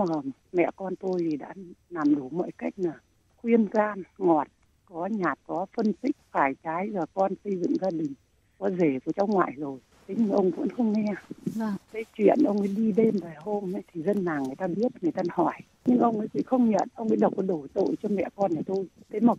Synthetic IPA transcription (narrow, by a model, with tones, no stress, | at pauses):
maː˨˩ | mɛ̰˧˨kɔ˧nt̪o˧jt̪ʰi˨˩ɗa̰ː˧˥naː˨˩mɗu˧˩mɔ̰ː˧˨jka˦˥jk̟̚naː˨˩ | xwi˧ənzaː˧nŋɔ˨˩t̚ | kɔ˨˦ɲaː˨˩t̚kɔ˨˦fə˧nt̪ï˦˥k̚faː˧˩jt͡ɕaː˨˦jzaː˨˩kɔ˧nsə˧jzɨ̰˧˨ŋzaː˧ɗï˨˩ŋ̟ | kɔ˨˦ze˧˩vəː˨˧˩t͡ɕa˨˦wŋwa̰ː˧˨jzo˨˩j | t̪ʰe˨˦ɲɨ˧ŋʔə˧wŋ͡mvə̰˧˥nxə˧wŋ͡mŋɛ˧ | k̪ə˨˦t͡ɕwḭ˧˨ənʔə˧wŋ͡mʔə˨˦ɗi˧ɗe˧mvaː˨˩jɦo˧ma˨˦jt̪ʰi˨˩zə˧nːaː˨˩ŋɨ˨˩əjt̪aː˧ɓi˦˥ət̚ŋɨ˨˩əjt̪a˧ɦɔ˧˩j | ɲɨ˧ŋʔə˧wŋ͡mə˨˦jkwḭ˧˥xə˧wŋ͡mɲə̰˧˨nʔə˧wŋ͡mʔə̰˨˧˦jɗə˨˩wk͡p̚ɔ˨˦ɗo˧˩jt̪o̰˧˨jt͡ɕɔ˧mɛ̰˧˨kɔ˧nʔa˨˩t̪o˧jt̪ʰe˨˦maː˨˩